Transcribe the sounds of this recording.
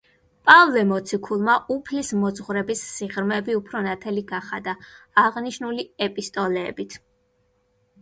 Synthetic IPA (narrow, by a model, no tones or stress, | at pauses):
pʼavlɛmɔt̪sʰikʰulˠmaʔupʰlismɔd̪zʁɾɛbisːiʁɾmɛbiupʰɾɔnat̪ʰɛliɡaχad̪aaʁniʃnuliɛpʼist̪ʼɔlɛ̰ːbit̪ʰ